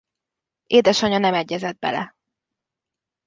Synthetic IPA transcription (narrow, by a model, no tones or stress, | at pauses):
ʔeːd̪ɛʃɒɲɒnɛmɛɟːɛzɛd̪̚bɛ̰lɛ̰